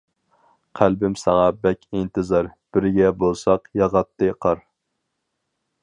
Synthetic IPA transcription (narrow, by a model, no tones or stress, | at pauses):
qʰælbɪmsɑŋɑbɛkʲʰint̪ʰɨzɑɾb̥ɪɾɡʲɛbolˠsɑqjɑʁɑt̪ʰːɨqʰɑɾ